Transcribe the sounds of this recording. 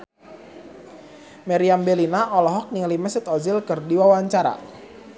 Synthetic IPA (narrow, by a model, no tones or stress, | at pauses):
maɾiambelinaʔɔlɔɦɔk̚niŋlimɛsɪt̪ɔzɪlkɨrdiwawaɲt͡ʃaɾa̰